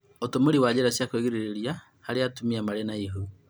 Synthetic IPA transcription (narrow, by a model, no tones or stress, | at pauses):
otomoɾiwajeɾasjakweɣiɾeɾeɾia | haɾeatumiamaɾenaiɦo